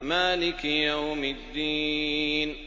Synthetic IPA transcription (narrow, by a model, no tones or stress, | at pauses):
maːlɪkjawmɪd̪ːiːn